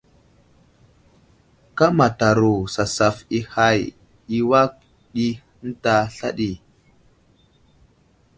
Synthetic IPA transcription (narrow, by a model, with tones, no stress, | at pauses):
ka˦ma˨ta˨ɾu˨sa˨sa˨fi˦ha˦˨j | i˨wa˦k̚ | ɗi˦ | n̩˦ta˦ɬa̰˦ɗi˨